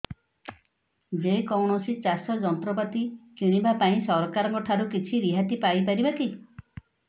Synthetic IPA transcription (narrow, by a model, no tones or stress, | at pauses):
d͡ʒekɔwɽ̃ɔsit͡ʃasɔd͡ʒɔnt̪ɾɔpat̪it͡ʃiɽ̃ibapaĩsɔɾɔkaɾɔŋkɔʈʰaɾukit͡ʃʰiɾiɦat̪ipajp̬aɾibak̪i